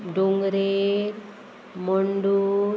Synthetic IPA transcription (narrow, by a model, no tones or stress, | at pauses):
ɖuŋɡɾeɾ | mɔɳɖu